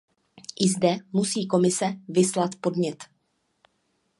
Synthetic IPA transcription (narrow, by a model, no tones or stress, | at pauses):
ʔɪzdɛmusiːko̞mɪsɛvɪslat̪po̞dmɲɛt̪